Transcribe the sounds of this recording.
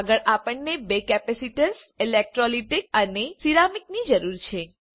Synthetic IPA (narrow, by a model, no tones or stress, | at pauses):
ɡəɭʔapəɳnebekɛpɛsiʈəɾs | elek̚ʈɾɔliʈek̚ənesiɾamiknid͡ʒəɾuɾt͡ʃʰe